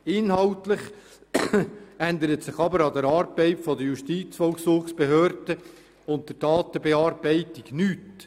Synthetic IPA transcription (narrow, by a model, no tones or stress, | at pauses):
ɪnɦɑltlɪχ | ænd̪əɾətsɪχɑbəɾɑd̪əɾɑːɾb̥ɛɪtfɔdəjuʃtiːt͡sfɔlksuːχsb̥eɦøːɾd̥ə | ʊntd̥ədɑːt̪əbeɑːrbɛɪtɪɡnyːt